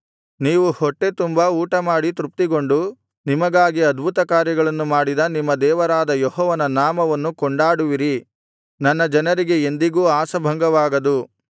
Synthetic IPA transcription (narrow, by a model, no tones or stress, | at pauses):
niːʋuhɔʈːe̞t̪umbɐuːʈɐmaːɽit̪ɾup̚t̪iɡoɳɖu | nimɐɡaːɡiɐd̪bʱut̪ɐkaːɾjɐɡɐɭɐnːumaːɽid̪ɐnimːɐd̪ɛːʋɐɾaːd̪ɐjɔɦɔːʋɐnɐnaːmɐʋɐnːukɔɳɖaːɽuʋiɾi | nɐnːɐd͡ʒɐnɐɾiɡe̞end̪iɡuːaːsɐbʱɐŋɡɐʋaːɡɐd̪u